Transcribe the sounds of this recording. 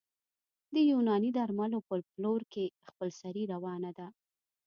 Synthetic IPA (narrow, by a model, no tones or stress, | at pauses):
d̪əjunɑnid̪aɾmalopəploɾkexpəlsaɾiɾawɑnad̪a